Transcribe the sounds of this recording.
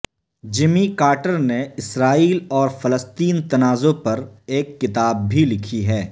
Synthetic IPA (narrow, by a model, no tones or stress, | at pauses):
d͡ʒɪmikaːʈəɾneɪsɾaːiːlɔːɾfɐləst̪iːnt̪ɐnaːzopɐɾeːkːɪt̪aːb̚bʱilɪkʰiɦɛː